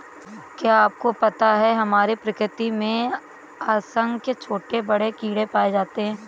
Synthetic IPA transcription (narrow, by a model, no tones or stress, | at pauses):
kjaːp̚kopɐt̪aɦɛɦɐmaːɾepɾɐkɾɪt̪imẽ | aːsə̃ŋɡket͡ʃʰoːʈebɐɽekiːɽepaːed͡ʒaːt̪eɦɛ̃ː